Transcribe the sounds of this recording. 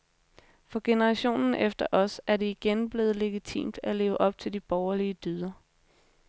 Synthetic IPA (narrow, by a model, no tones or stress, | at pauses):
fɒ̽ɡ̥e̝nəʁɑ̈ɕo̝̰ːnn̩ʔefd̥ɐʔɒ̽sæɐdeiɡ̥enb̥le̝ːð̞̩ˠle̝ɡ̥it͡sʰḭːmd̥æle̝ːʊəʔɒ̽b̥̚t͡sʰe̝ld̥ib̥ɒʊɐliəd̥yð̞ˠɐ